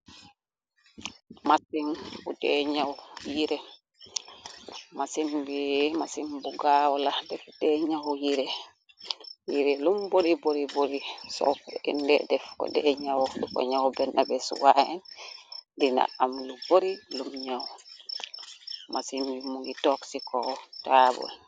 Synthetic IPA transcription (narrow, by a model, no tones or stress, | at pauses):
masimkudɛɲawjiɾɛ | masimbimasimbuɡawɔladɛfdɛɲawjiɾɛ | jiɾɛlumboɾiboɾiboɾisɔ̰fɛ̰ndɛ̰dɛfkɔ̰dɛɲawdukɔ̰ɲawbɛnʔabɛswahɛn | dina̰amluboɾilumɲaw | masimbimuŋitɔksikɔtaːbɔ̰l